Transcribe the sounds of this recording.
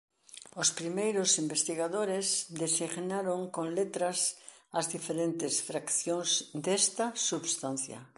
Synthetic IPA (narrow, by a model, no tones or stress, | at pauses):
ospɾimejɾosimbest̪iɣaðoɾesd̪esiɣnaɾoŋkoŋlet̪ɾasɐzðifeɾent̪esfɾakθjoŋzd̪est̪ɐsuβst̪an̟θja̰